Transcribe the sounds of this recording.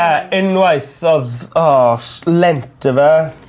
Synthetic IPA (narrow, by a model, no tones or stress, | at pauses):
aɪnwajθɔðɔslɛntʰəva